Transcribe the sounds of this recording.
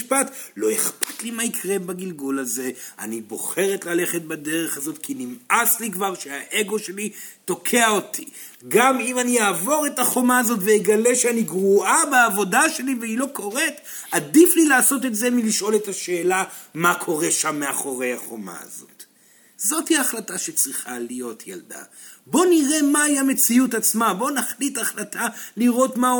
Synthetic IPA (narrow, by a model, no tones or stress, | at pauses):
ʃpatlo̞eχpḁtlimaikʰʁe̞baɡilɡulaze̞a̰nibo̞̰χe̞ʁetlale̞χet̚bade̞ʁe̞χazo̞tkʰinimaslikvaʁʃeaʔe̞ɡo̞ʃe̞lito̞kʰe̞aotʰi | ɡamimanijaːvo̞ʁe̞taχo̞maːzo̞tvejeɡale̞ʃeaniɡʁuʔabeːvo̞daʃe̞liveilo̞ko̞ʁet | adiflilaːso̞t̬e̞tze̞miliʃo̞le̞taʃe̞ːlamakʰo̞ʁe̞ʃamːeaχo̞ʁe̞jaχo̞̰ma̰a̰zo̞̰t | zo̞thiaχlataʃe̞t͡sʁiχalijo̞tja̰lda̰ | bo̞niʁe̞maiame̞t͡siutat͡smabo̞naχlitaχlatʰaliʁo̞tma